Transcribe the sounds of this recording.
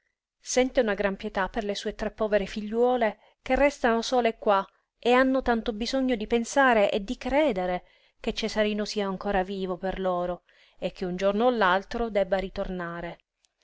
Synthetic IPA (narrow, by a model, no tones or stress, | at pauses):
sɛnt̪eunaɡɾampjɛt̪apːerlesuːet̪ɾɛpːɔːveɾefiʎːwɔːle | k̟erːɛst̪anosɔːlekːwa | eanːot̪ant̪obizoɲːod̪ipensaːɾeʔed̪ːikɾɛːd̪eɾe | ket͡ʃːezaɾiːnosiːaːŋkoːɾaviːvoperloːɾo | ekʰːeund͡ʒornoalːalt̪ɾod̪ɛbːaɾit̪ornaːɾe